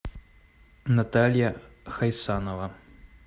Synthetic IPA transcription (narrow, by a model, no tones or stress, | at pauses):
nɐt̪alʲjɐxɐjsanɔvɐ